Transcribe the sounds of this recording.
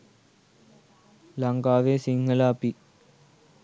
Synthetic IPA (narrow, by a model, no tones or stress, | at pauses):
lɐŋɡaːʋeːsiŋːɐlaːpi